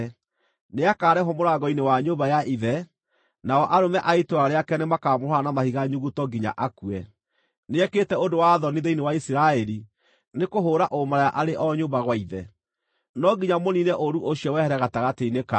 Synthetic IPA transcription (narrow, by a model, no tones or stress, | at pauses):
neakaːɾɛɦɔmoɾaɡɔinewaɲoːbajaʔiðɛ | naɔʔaɾomɛʔaitoaɾeakɛnemakamoɾoanamahiɣaɲuɣutɔɡiɲa̰ʔakuɛ | neɛkeːtɛodowaðɔniðeinewaisiɾaɛɾi | nekoɦoːɾaʔomaɾajaʔaɾeʔɔɲoːbaɣwaiðɛ | nɔɡiɲamoninɛʔoɾuʔoɕjɔwɛhɛɾɛɣataɣateineka